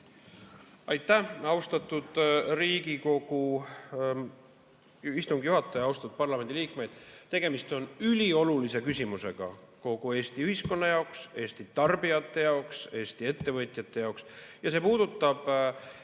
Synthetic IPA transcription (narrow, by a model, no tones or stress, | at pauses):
ɑjt̪ˑːæɑwst̪ɑt̪ːˑud̪̥riːɡiko̞ɡ̥u | ist̪uŋɡ̥juɦɑt̪ːˑɑjɑɑwst̪ɑt̪ud̪̚pɑrlɑme̞nd̪iliːkme̞jd̪̥t̪e̞ɡ̥e̞mist̪o̞nylʲio̞lulise̞kysʲimuse̞ɡ̥ɑ̰ko̞ɡ̥ue̞ːst̪iyhisko̞nːɑjɑokse̞ːst̪it̪ɑrbiɑt̪ːˑe̞jɑokse̞ːsʲt̪ie̞t̪ːe̞vɤt̪ʲˑjɑt̪ːˑe̞jɑoksjɑse̞ːpuːd̪̥ut̪ːɑb̥